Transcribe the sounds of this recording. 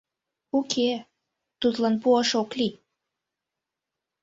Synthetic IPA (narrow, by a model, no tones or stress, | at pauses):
ukʰe | t̪ut̪lɑnpuɑʃokli